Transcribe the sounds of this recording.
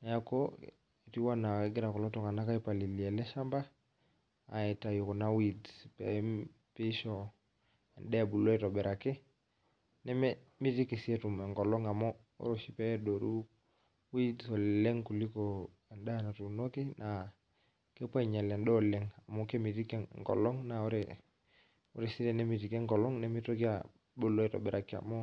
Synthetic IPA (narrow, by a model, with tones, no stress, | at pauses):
na˨ja˦ko˦ | i˨ti˦wa˦na˨kɛ˦ɡɪ˦ɾa˨kɔ˨lɔ˦tɔ˦ŋa˨na˦ka˦i˦pa˨li˨li˨ɛ˨lɛ˦ʃa˦mba˦ | a̰˨ɛ˨ta˨ju˨kɔ˨na˦wi˨dpɛ˨ | pe˦ʃɔ˨ | ɛ˨ndɛ˦a˨bu˨lɔ˦ɛ˦tɔ˨bɛ˨ɾʔa˨kɪ˦ | nɛ˦mɛ˦ | mi˦ti˦ki˨si˦ɛ˦tu˨mɛ˨ŋɡɔ˨lɔ˦ŋa˨mɔ˦ | o̰˦ɾo˨ʃi˦pɛ˦do˨ɾu˦ | wi˦dso˨lɛ˦ŋku˨li˦ko˨ | a˨nda˦˨na˨tu˨no˦ki˦nʔa˨ | ke˦pɔ˦˨ɲa˨lɛ˨ndɔ˦˨lɛ˦ŋa˨mɔ˦ke˦mi˨ti˦ke˦ŋkɔ̰˨lɔ˦ŋna˨o˦ɾɛ | ṵ˦ɾe˨si˦ɾe˦˨nɛ˦mi˨ti˨ke˦ŋkɔ˨lɔ˦ŋnɛ˦mi˦to˦ki˦a˨ | bu˨lo˦i˦tɔ̰˨bɛ˨ɾa˨kɪ˦a̰˨mɔ˦